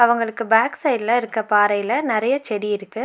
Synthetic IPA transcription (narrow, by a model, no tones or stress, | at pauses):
ɐʋɐŋɡɐɭɯkːɯbaːksɐɪɖlɐɪɾɯkːɐpaːɾɐjlɐnɪɾɐjɐt͡ʃɛɽiɪɾɯkːɯ